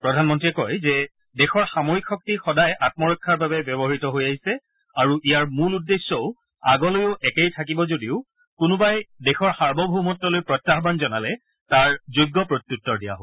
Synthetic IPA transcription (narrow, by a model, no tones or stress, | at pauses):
pɹɔdʱanmɔntɹiɛkɔjzɛ | dɛxɔɹxamoɹikʰːɔk̚tixɔdajʔat̚mɔɹɔkʰːaɹbabɛbjɔbɔɦitɔɦojaɦisɛ | aɹuʔijaɹmuludːesːɔʊ | a̰ɡɔlojʊʔɛkejtʰak̬ibɔzodiʊ | kʊnʊbajdɛxɔɹxaɹbɔbʱumɔtːɔlojpɹɔtːaɦbanzɔnalɛ | taɹzojɡːɔpɹot̪jutːɔɹdija̰ɦo